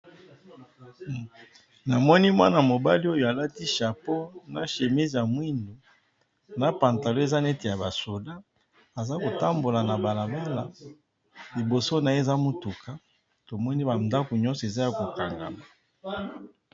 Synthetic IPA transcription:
na˨mɔ˦ni˦mwa̰˦na˨mo˨ba˦li˦o˦jo˨a˨la˦ti˦ʃa˨po˦na˨ʃe˨mi˦zja˨mwi˦ndu˨ | na˦pa˨nta˨lo˦e˨za˦nɛ˦te˨ja˨ba˨so˨da˦ | a˨za˦ko˨ta˦mbo˨la˨na˨ba˨la˨ba˦la˨ | li˨bo˨so˦na˨˦e˦˨za˦mu˦tu˨kʰa˦ | to˨mɔ˦ni˦ba˨nda˦ko˨ɲɔ˦sɔ˨e˨za˦ja˨ko˨ka˨ŋɡa̰˨ma˨

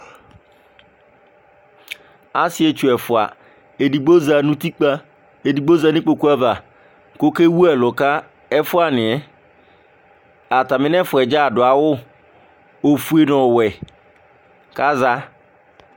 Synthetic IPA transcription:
a˦sɪ˨˦e˨t͡ʃu˨ɛ˨fʊ˨a̰˨ | e˨di˨ɡ͡bo˦za˨nũ˦t̪i˦k͡pa˦ | e˨di˨ɡ͡bo˦za˨nɪ̃˦k͡po˨ku˦a˦va˨ | ko˦ke˦wu˦ɛ˨lʊ˨ka˦ | ɛ˦fʊ˦a˦nɪ̃˨ɛ˦ | a˨ta˨mɪ̃˦nɛ̃˦fʊ˨ɛ˨d͡ʒa˦˨dʊ˨a˨wʊ˦ | o˨fu˨e˨nɔ̃˨wɛ˨ | ka˦za˦

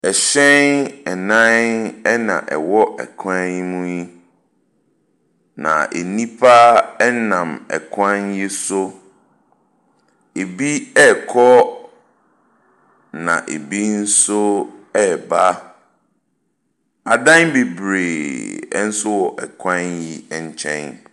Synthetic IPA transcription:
ɛ˨ɕɛ̃˦nɛ˨nã˦nɛ˦nã̰˨ʔɛ̰˨wɔ˦ɛ̰˨kʰã˦nmũ˦ji˦ | nã̰˨ḛ˨nĩ˦pʰa˦ɛ˦nã˨mɛ̰˨kʰã˦nji˦sʊ˦ | e˨bi˦ɛ˦˨kʰɔ˦ | nã̰˨ʔḛ˨bi˦n̩˦sʊ˦ɛ˦˨ba˦ | a˨dã˦nbe˨bɾḛː˨˦n̩˦sʊ˦wɔ˨ʔɛ˨kʰã˦nji˦ɛ˨ɲ̩˦˨t͡ɕʰɛ̰̃˦n

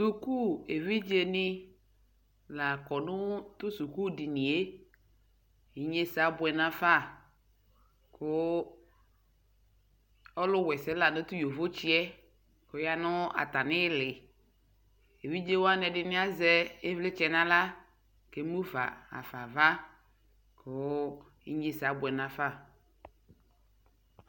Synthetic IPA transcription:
su˦ku˦e˨vi˦d͡ʒe˦nɪ˦ | la˨kɔ˨nʊ˦t̪ʊ˦su˨ku˦dɪ˨nɪ˨e˦ | i˨ɲe˦sa˨˦bʊ˨ɛ˨nã˦fa˦˨ | kʊ˦ | ɔ˦lʊ˦wɛ˨sɛ˦la˨nʊ˦t̪ʊ˦jo˨vo˦t͡ʃi˦ɛ˦ | kʊ˨˦ja˨nʊ˦a̰˨ta˨nɪ˦lɪ˨ | e˨wi˦d͡ʒe˦wa˦nɛ˨dɪ˨nɪ̃˦a˦zɛ˦e˦vlɪ˦t͡ʃɛ˨nã˦la˦ | ke˦mu˦va̰˨a̰˨fa˨va˦ | kʰʊ˦ | ḭ˦ɲe˦sa˨˦bʊ˨ɛ˨nã˨fa˦˨

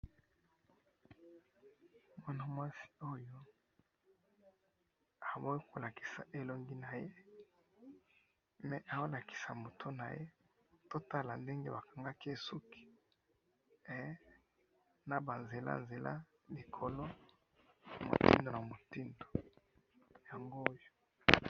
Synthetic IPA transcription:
mwa˦na˦mwa˦si̥˨˦o˦jo˦ | a˨bo˦wi˦ko˨la˨ki̥˨sa˨ʔe˨lo˦ŋɡi˦na˨je˦ | mɛ˨ʔa˨o˦la˨ki̥˨sa˨mo˨tʰo˦na˨je˦ | to˦ta˦la˨nde˦ŋɡe˦ba˨ka˨ŋɡa˦ki˦e˨su˦kʰi̥˨ | ɛ˦ | na˨ba˨nze˨la̰˦nze˨la̰˦ | li˨kʰo˨lo˦˨ | mo̰˨tḭ˦ndo˨na˨mo˨ti˦ndo̥˨ | ja˨ŋɡo˦jo˨

